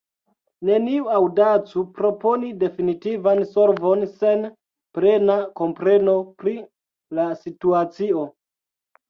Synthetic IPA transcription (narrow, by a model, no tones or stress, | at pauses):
ne̞niuawdat͡supɾo̞po̞nide̞finitivanso̞ɾvo̞nse̞n | pɾe̞nako̞mpɾe̞no̞pɾi | lasituat͡sio̞